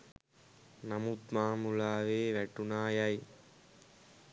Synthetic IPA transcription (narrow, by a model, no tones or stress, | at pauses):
nɐmut̪maːmulaːʋeːʋæʈunaːjɐj